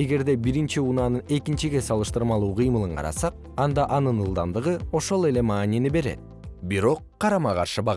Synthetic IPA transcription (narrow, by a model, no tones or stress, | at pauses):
e̞ɡe̞ɾd̪e̞biɾint͡ʃiunɑnɯne̞kint͡ʃiɡʲe̞sɑlˠɯʃt̪ɯɾmɑlˠuːqʰɯjmɯlˠɯɴqʰɑ̰ɾɑ̰sɑq̚ | ɑnd̪ɑʔɑnɯnɯlˠd̪ɑnd̪ɯʁɯo̞ʃo̞lˠe̞le̞mɑːnʲienibe̞ɾe̞̰t̪̚ | biɾo̞qʰːɑɾɑmɑqɑɾʃɯbɑ